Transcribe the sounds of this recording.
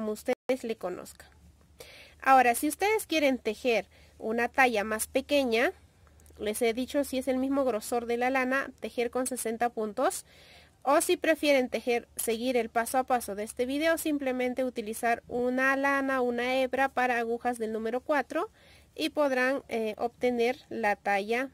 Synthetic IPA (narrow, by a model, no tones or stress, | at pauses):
komoust̪eðeslekonʔo̰skḁ | a̰oɾasiust̪eðeskjeɾent̪exeɾ | ṵnat̪aʝamaspekeɲa | leseðit͡ʃosiese̞lmismoɣɾosoɾðelalana̰t̪exeɾkonsesent̪apunt̪os | osipɾefjeɾent̪exeɾseɣiɾelpasoapasoðeest̪eβið̞eosimplemẽnt̪eut̪ilisaɾunalanaunaeβɾapaɾaːɣuxazðelnũmeɾokwat̪ɾo | ipoðɾaneo̰pt̪eneɾlat̪aʝa